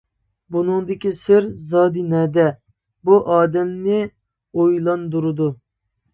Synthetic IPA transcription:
bunɨŋd̪ɪkʲisɪɾzɑːd̪ɨnɛd̪ɛ | buʔɑːd̪ɛmnɪ | ojlˠɑnd̪uɾɨd̪u

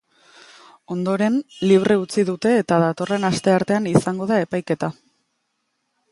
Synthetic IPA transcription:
o̞nd̪o̞ɾe̞nliβ̞re̞ut͡siðut̪e̞ːt̪aðat̪o̞re̞nast̪e̞aɾt̪e̞anisaŋɡo̞ðae̞pajke̞t̪a

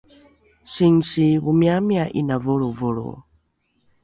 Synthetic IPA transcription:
siŋsiβumiamiaʔinavoɺovoɺo̰

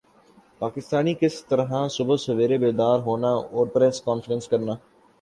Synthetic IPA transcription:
paːkɪst̪aːniːkɪst̪əɾɦãsʊbəsʊʋeːɾebeːd̪aːɾɦoːnaoːɾpɾɛːskɔːnfɪɾə̃nskɐɾnaː

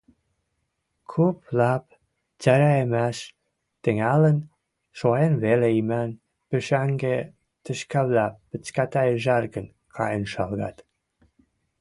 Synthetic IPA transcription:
kʰuplɑp | t͡sæɾæemæʃ | t̪ə̆ŋælə̆n | ʃoenβeleimæn | pø̆ʃæŋɡe | t̪ə̆ʃkæβlæpːə̆t͡skæt̪æjʒærɡən | kʰɑ̰jənʃɑlɣɑ̰t̪

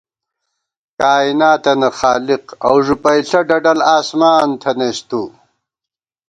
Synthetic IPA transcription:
kaːinaːt̪ɐnɐxaːliqɐ̰wʐupɐjɬɐɖɐɖɐlaːsmaːnt̪ʰɐnest̪u

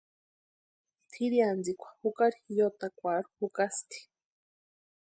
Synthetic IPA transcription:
t̪ʰiɾiand͡zikʷḁhukaɾijot̪akʷaɾuhukast̪ʰi̥

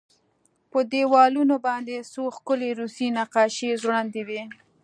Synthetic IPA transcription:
pəd̪ewɑlunobɑnd̪esoxkʊleɾusinaqɑʃezwɽand̪ewe

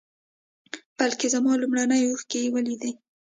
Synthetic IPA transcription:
b̥alkezamɑlumɽanəjoxkejwəlid̪i

